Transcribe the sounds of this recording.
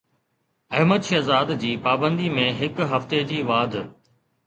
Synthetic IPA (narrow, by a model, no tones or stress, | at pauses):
ɐɦməd̪ʃɐzaːd̪d͡ʑiːpaːbə̃nd̪imẽɦɪkɦɐft̪ed͡ʑiːʋaːd̪ʱ